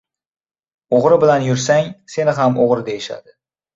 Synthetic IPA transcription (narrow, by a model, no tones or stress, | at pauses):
oʁɾɪbɪlanjʊɾsaŋse̞nɪɦamoʁɾɪd̪ejɪʃa̰d̪ɪ